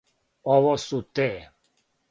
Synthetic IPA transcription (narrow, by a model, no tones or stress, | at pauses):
ɔvɔsut̪e